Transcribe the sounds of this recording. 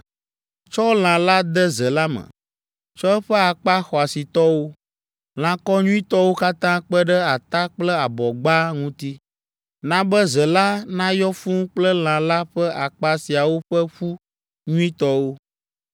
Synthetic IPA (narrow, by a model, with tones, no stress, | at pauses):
t͡ʃɔ˦o˦l̃ã˨la˦d̪ə˦zə˨la˦mə̰̃˨ | t͡ʃɔ˦ɛ˦ɸɛ˦a˨k͡pa˦xɔ˨a˨si˨t̪ɔ˦wo˦ | l̃ã˨kɔ˦ɲũ˦ĩ˦t̪ɔ˦wo˦ka˦t̪ã˦k͡pə˦ɖə˦a˨t̪a˦k͡plɛ˦a˨bɔ˨ɡ͡ba˦ŋũ˦t̪i˦ | nã˦bə˦zə˨la˦nã˦jɔ˦fũ˦k͡plə˦l̃ã˨la˦ɸɛ˦ʔa˨k͡pa˦si˨a˨wo˦ɸə˦ɸu˦ | ɲũ˦ĩ˦t̪ɔ˦wo˦